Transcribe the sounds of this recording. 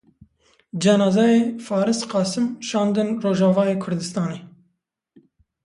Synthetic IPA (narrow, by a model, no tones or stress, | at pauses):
d͡ʒɛnɑːzɛjeːfɑːɾɨsqɑːsɨmʃɑːnd̪ɨnroːʒɑːvɑːjeːkʰʊɾd̪ɨst̪ɑːneː